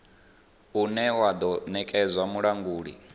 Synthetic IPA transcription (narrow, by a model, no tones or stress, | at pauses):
unɛwad̪ɔnɛkʼɛzʷwamuɺaŋɡuːɺḭ